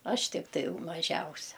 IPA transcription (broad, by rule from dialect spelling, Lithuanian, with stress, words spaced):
ˈɐʃ tʲɪkˈtɐɪ jɛʊ mɐˈʒʲɛʊsʲɛ